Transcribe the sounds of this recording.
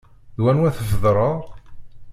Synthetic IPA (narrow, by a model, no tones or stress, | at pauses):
ðwænwæθəfðɾˤəɾˤ